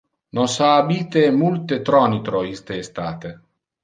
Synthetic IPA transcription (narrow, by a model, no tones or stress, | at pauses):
nosaːbiːt̪emult̪et̪ɾɔnit̪ɾoist̪eːst̪aːt̪e